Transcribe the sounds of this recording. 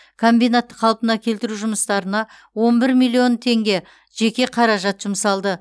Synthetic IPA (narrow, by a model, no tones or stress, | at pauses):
kʰo̞mbijnat̪ːəqʰɑlˠpənɑkʲʰe̞lt̪ɪɾuʒʊməst̪ɑɾənɑ | wo̞nbɪɾmijlʲːˠio̞nt̪ʰe̞ŋɡʲe̞ | ʒ̥e̞kʲe̞qʰɑɾɑʒɑt̪ʒ̥ʊmsɑlˠd̪ə